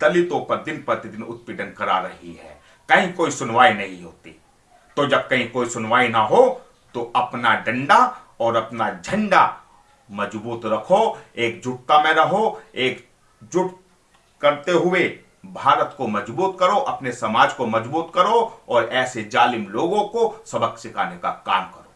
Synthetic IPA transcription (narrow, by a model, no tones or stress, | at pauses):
d̪ɐlɪt̪õpɐɾd̪ɪnpɐɾt̪ɪd̪ɪnʊt̪̚pɪd̪ənkɐɾaɾɐɦiɦɛ̰ː | kɐɦĩkoːisʊnʋaːinɐɦĩɦoːt̪ḭ | t̪od͡ʒɐb̚kɐɦĩkoːisʊnʋaːinaɦo | t̪oɐpnaɖɐ̃ɳɖaɔːɾɐpnad͡ʒʱɐ̃ɳɖa | mɐd͡ʒbuːt̪ɾɐkʰoeːk̚d͡ʒʊʈ̚t̪amẽɾɐɦoeːk | d͡ʒʊʈt̪ | kɐɾt̪eɦʊe | bʱaːɾət̪komɐd͡ʒbuːt̪kɐɾoʔɐpnesɐmaːd͡ʒkomɐd͡ʒbuːt̪kɐɾoɔːɾɛːsed͡ʒaːlɪmloːɡõkosɐbəksɪkʰaːnekakaːmkɐɾoː